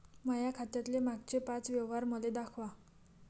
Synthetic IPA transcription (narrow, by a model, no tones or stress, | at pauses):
majakʰat̪jat̪lemaɡt͡ɕepat͡sʋjeʋɦaɾməled̪akʰʋa